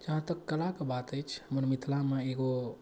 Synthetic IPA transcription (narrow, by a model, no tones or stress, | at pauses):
d͡ʒəɦãt̪əkːəlakebat̪əjt͡ʃʰmənmit̪lameeɡo